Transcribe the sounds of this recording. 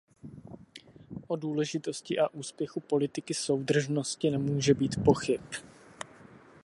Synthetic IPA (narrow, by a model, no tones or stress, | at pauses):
ʔo̞duːlɛʒɪt̪o̞scɪʔaʔuːspjɛxupo̞lɪt̪ɪkɪso̞wdr̩ʒnoscɪnɛmuːʒɛbiːt̪po̞xɪp